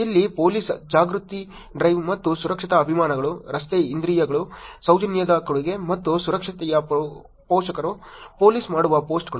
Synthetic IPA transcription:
ilːipo̞ːliːsd͡ʒaːɡɾut̪i | ɖɾɐjʋmɐt̪ːusuɾɐkʂit̪ɐːbʱimaːnɐɡɐɭuɾɐst̪eind̪ɾiːjɐɡɐɭusɐwd͡ʒɐnjɐd̪ɐkɐɭuɡe̞mɐt̪ːusuɾɐkʂɐt̪ɛjɐ | poːʃɐkɐɾupoːliːsmaːɽuʋɐpo̞ːsʈɡɐɭu

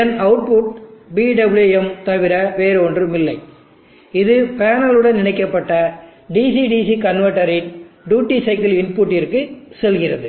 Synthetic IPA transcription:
ɐnɐʊʈ̚puʈ̚biɖɐbɪljuɛmt̪ɐʋɪɾɐʋeːɾɯɔndrɯmɪlːɐɪ | ɪðɯpaːnɐlɯɽɐnnɪɳɐɪkːɐpːɐʈːɐɖisiɖiːsikɐnʋɐʈːɐɾɪnɖuːʈːisɐɪkɪlɪnpuʈːɪrkɯsɛlɣɪrɐðɯ

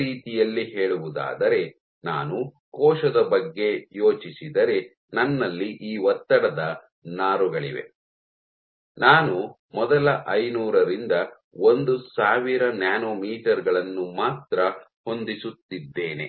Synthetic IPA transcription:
iːt̪ijɐlːiɦe̞ːɭuʋud̪a̰ːd̪ɐɾe̞ | na̰ːnu | kɔːʃɐd̪ɐbɐɡːe̞joːt͡ʃisid̪ɐɾe̞ | nɐnːɐlːiʔiːʋɔt̪ːɐɽɐd̪ɐ | naːɾuɡɐɭḭʋe̞̰ | naːnu | mɔd̪ɐlɐʔɐjnuːɾɐɾind̪ɐ | ond̪usaːʋiɾɐnjaːnoːmiːʈɐɾɡɐɭɐnːumaːt̪ɾɐ | ho̞nd̪isut̪ːid̪ːe̞ːne̞̰

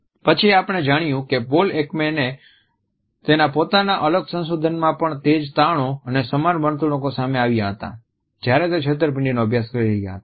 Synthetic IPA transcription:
pət͡ʃʰieapɽ̃ed͡ʒaɽ̃jũkebolekmene | t̪enapot̪anaʔələɡsə̃ns̬ud̪ʱənmãpəɳt̪ed͡ʒt̪aɽ̃õənesəmanʋənt̪uɽ̃õkosameaʋjaɦət̪a̰ | d͡ʒjaɾet̪̬et͡ʃʰet̪̬əɾp̬ɪ̃ɳɖinoəbʱjaskəɾiɾəɦja̰ɦət̪a

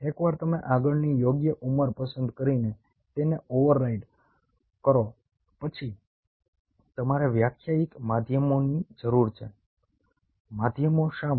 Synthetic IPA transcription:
ekʋaɾt̪əmeʔaɡəɭnijoɡjəʔuməɾpəsənd̪kəɾine | t̪eneoʋəɾːaiɖ | kəɾo | pət͡ʃʰi | t̪əmaɾeʋjakʰjaik̪mad̪ʱjəmonid͡ʒəɾuɾt͡ʃʰe | mad̪ʱjəmoʃa

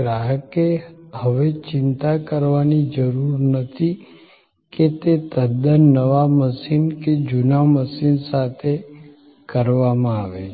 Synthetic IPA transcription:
ɾaɦəkehəʋet͡ʃɪnt̪akəɾʋanid͡ʒəɾuɾnət̪ʰi | ket̪et̪əd̪ənəʋaməsinked͡ʒʊnaməsinsat̪ʰe | kəɾʋamãaʋe

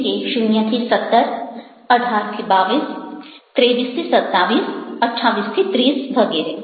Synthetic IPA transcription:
keʃʊnjət̪ʰisɐt̪ːəɾ | ɐʈʰaːɾt̪ʰibaːʋiːs | t̪ɾeːbiːst̪ʰisɐt̪ːaːʋiːsɐʈʰaːʋiːst̪ʰit̪ɾiːsbʱɐɡɛːɾe

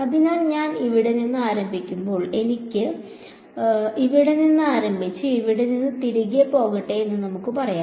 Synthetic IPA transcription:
ɐðɨɲaːnɲaːniʋiɽeninːɨaːɾɐmbʱikʲːumbo̞ːɭe̞nikʲːɨ | iʋiɽeninːɨaːɾɐmbʱit͡ɕːɨiʋiɽeninːɨt̪iɾiɣepːo̞ːɣiʈːeenːɨnɐmukːɨpɐrɐjaː

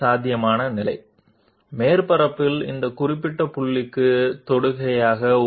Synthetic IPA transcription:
aːd̪ʱɪjɐmaːnɐnɪlɐɪ | meːɾpɐɾɐpːɪlɪ̰nd̪ɐkʊrɪpːɪʈːɐpʊɭːɪkːɯt̪ɔɽɯɣɐjaːɣɐ

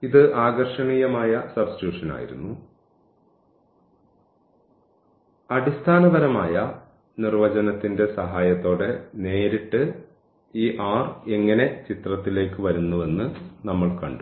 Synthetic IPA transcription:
iðɨʔaːɡɐrʂɐɳiːjɐmaːjɐsɐbsi̥tuːʂɐna̰ːjḭɾṵnːu | ɐɽist̪ʰaːnɐðɐɾɐmaːjɐ | nirʋɐd͡ʑɐnɐt̪ːinde̞sɐɦaːjɐt̪ːo̞ːɽe̞ne̞ːɾiʈːɨ | iːʔaːre̞ŋːɐne̞t͡ɕit̪rɐt̪ːile̞ːkːɨʋɐɾunːuʋe̞nːɨnɐmːɐɭkɐɳɖ

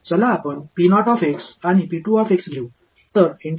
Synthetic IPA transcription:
d͡zəlaːpəɳpinɔʈɔfeksañipiʈuɔfeksɡʱeu | t̪əɾiɳ

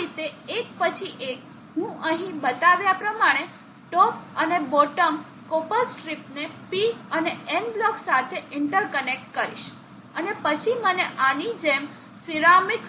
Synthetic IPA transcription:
it̪eek̚pət͡ʃʰiʔek̚ | ɦũʔəɦĩbət̪aʋjapɾəmaɽ̃e | ʈɔpəneboʈəm | kopəsʈɾipnepiəneenblɔksat̪ʰeɪɳʈəɾkənek̚ʈ̚kəɾiʃ | ənepət͡ʃʰiməneʔanid͡ʒem | siɾamik

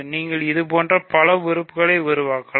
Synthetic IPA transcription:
niːŋɡɐɭɪðɯpoːndrɐpɐlɐʋɪɾɯpːɯɣɐɭɐɪʋɪɾɯʋaːkːɐɭ

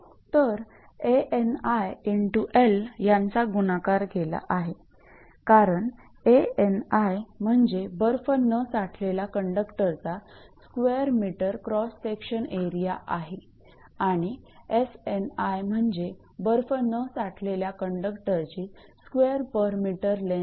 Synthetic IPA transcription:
t̪əɾ | eenajiɳʈuʔeljant͡saɡunakaɾɡʱela̰ʔaɦe | kaɾəɳ | eenajm̤əɳd͡zebəɾfənəsaʈʰleljakəɳɖəkʈəɾt͡saskʋeəɾmiʈəɾkɾɔsːekɕəneɾijaʔaɦe | aɽ̃iesenajm̤əɳd͡ze | bəɾfənəsaʈʰleljakəɳɖəkʈəɾt͡ɕiː | skʋeəɾpəɾmiʈəɾle

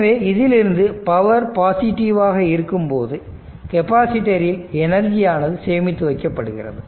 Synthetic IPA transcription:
ʋeːɪðɪlɪɾɯnd̪ɯpɐʋɐɾpaːsɪʈːɪʋaːɣɐɪɾɯkːɯmpoːðɯ | kɛpaːsɪʈːɐɾɪlɛnɐɾd͡ʒijaːnɐðɯsɛːmɪt̪ːɯʋɐkːɐpːɐɽɯɣɪ̰rɐ̰ðɯ

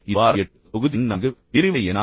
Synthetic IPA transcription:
ɪʋaːɾɐɐʈː | ɔɣɯðɪnnɐŋɡɯpɪɾɪʋɐɛnaː

